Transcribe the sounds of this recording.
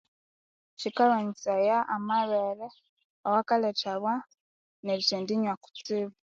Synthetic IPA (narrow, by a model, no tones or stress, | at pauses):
t͡ʃikalaɲit͡sajaʔːmaβele | awakalet͡ʃaβwa | neβit͡ʃeːndiɲwaku̥t͡siβa